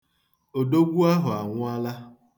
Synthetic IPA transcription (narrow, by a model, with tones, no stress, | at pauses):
o˨do˦ɡʷu˦a˦ɦʊ˨a˨ŋʷʊ˦a˦la˦